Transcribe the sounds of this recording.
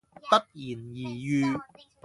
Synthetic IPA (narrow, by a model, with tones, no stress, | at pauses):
t̪ɐ˥k̚jiː˨˩njiː˨˩jyː˧